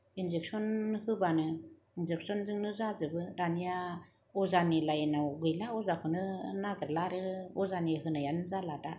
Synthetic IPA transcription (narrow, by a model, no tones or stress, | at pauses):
inzek̚sɔnhɯbanɯ | inzek̚sɔnzɯŋnɯzazɯbɯɾanija | ɔzanilajnawɡɯjlaɔzakʰɯnɯnaɡɯɾlaɾɯɔzaniɦɯnajanɯzalada